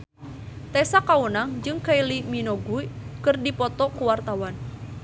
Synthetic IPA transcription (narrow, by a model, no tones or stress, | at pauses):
t̪ɛsakaunaŋd͡ʒɨŋkailiminɔɡuikɨrdipɔt̪ɔkuwart̪awan